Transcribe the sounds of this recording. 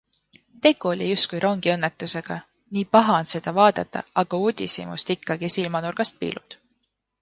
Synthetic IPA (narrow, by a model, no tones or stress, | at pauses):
t̪e̞ɡ̥uo̞lʲijust̪̚kujɾʔo̞ŋɡ̥iɤ̞nːet̪ːˑuse̞ɡ̥ɑ | niːpɑɦɑnse̞d̪̥ɑvɑːd̪ɑt̪ːˑɑ̰ɑɡ̥ɑuːd̪̥ʲisḭmṵst̪ikːɑɡ̥isilmɑnurɡ̥ɑst̪̚pḭːlʔṵd̪̥